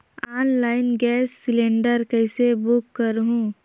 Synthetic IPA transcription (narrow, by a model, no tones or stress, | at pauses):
aːnlaːɪnɡɛːsːɪlẽːɳɖəɾkɐɪsebʊkːəɾɦũː